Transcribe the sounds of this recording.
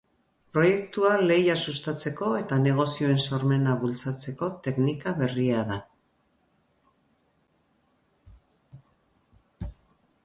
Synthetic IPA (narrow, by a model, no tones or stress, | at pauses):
pɾo̞je̞kt̪uale̞jasust̪at͡se̞ko̞e̞t̪ane̞ɣ̞o̞sio̞e̞nsoɾme̞naβult͡sat͡se̞ko̞t̪e̞knikaβe̞riaða